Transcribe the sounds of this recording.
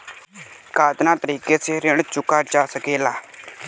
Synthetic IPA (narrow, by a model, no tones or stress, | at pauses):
kaːt̪naːt̪əɾiːkeseɾɪɽ̃t͡ʃʊkaːd͡ʒaːsəkeːlaː